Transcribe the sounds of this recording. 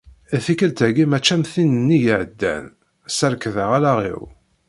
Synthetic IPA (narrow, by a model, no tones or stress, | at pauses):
æθikəlt̪æɡimæt͡ʃːæmθinənːijəʕəd̪ːæ̰n | səɾkðəʁælaʁḭw